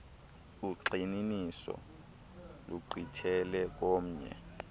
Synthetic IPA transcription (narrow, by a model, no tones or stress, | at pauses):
uǃininisɔ̰ | luǃʱitʰɛlɛk̬om̩ɲɛ̰